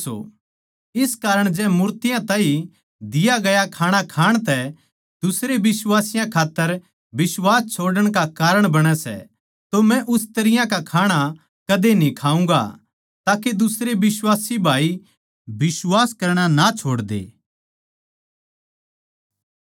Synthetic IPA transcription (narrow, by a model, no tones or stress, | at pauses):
o̰ | ɪskaːɾəɽ̃d͡ʒɛːmʊːɾt̪ɪjãt̪ãːĩ | d̪ɪjaɡɐjakʰaːɽ̃akʰaːɽ̃t̪ɛ | d̪ʊsɾebɪswaːsɪjãkʰaːt̪ːəɾ | bɪswaːst͡ʃʰoːɽəɽ̃kakaːɾəɽ̃bɐɽ̃ɛsɛ̰ | t̪omɛ̃ʔʊst̪ɐɾɪjãkakʰaːɽ̃a | kɐd̪enĩkʰaːũːɡa̰ | t̪aːked̪ʊsɾebɪswaːsibʱaːi | bɪswaːskɐɾɽ̃anat͡ʃʰoːɽd̪ḛː